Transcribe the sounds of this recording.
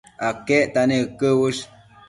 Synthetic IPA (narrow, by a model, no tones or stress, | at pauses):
akeʔt̪anekːəwəʃ